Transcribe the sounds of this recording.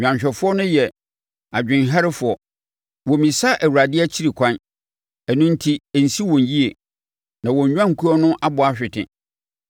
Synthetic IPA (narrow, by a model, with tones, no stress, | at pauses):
ɲᶣ˨ã˨ɕᶣɛ˨fʊ˦ɔ˦nʊ̃˦jɛ˨ | a˨d͡ʑᶣɪ̃˨nɦɛ˦ɾɪ˦fʊ˨ɔ˨ | wɔ˨mĩ˨sa˦ʔæ˨wu˨ɾa˨dɪ˦ɛ˦t͡ɕʰi˦ɾi˨kʷʰã˦n | ɛ˨nʊ̃˦n˦tʰi˦˨n̩˨si˦wɔ̃˨nji˦e˨ | nã˨wɔ˨ɲ̩˨ɲᶣ˦ã˦ŋ̩˨kʰu˦ɔ˦nʊ̃˦ʔa˦bʊ˨a˦ɕᶣɪ˨tʰɪ̰̃˨